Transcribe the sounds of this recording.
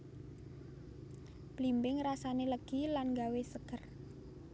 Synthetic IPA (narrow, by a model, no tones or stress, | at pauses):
b̥limbɪŋrasaneləɡ̥ilanɡawesəɡ̥ər